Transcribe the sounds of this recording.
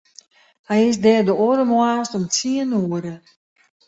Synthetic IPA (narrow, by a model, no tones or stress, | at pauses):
hɛjɪsdɛːrdəɔɾəmwaːstɔmt͡siənuəɾə